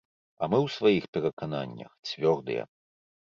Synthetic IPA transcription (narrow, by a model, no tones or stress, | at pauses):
ɐ̰mɨwsvajixpʲɛɾɐkana̰nʲːɐ̰xt͡sʲvʲɔrd̪ɨ̰jɛ̰